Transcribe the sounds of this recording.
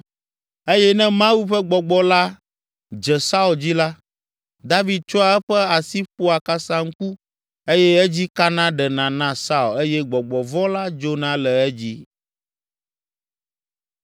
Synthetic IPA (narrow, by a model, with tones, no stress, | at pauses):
e˦jɛ˦nɛ̃˦mã˦wu˦ɸɛ˦ɡ͡bɔ˨ɡ͡bɔ˦la˦ | d͡ʒɛ˨sa˦u˨ld͡ʑi˦la˦ | d̪a˦vi˨d̪̚t͡ʃɔ˦a˨ɛ˦ɸɛ˦a˨si˦ɸo˦a˨ka˦sã˦ŋ̩˦ku˦ | e˦jɛ˦ɛ˦d͡ʑi˦ka˦nã˦ɖɛ˨nã˨nã˦sa˦u˨le˦jɛ˦ɡ͡bɔ˨ɡ͡bɔ˨vɔ˦la˦d͡ʒo˦nã˦lɛ˨ɛ˦d͡ʑi˦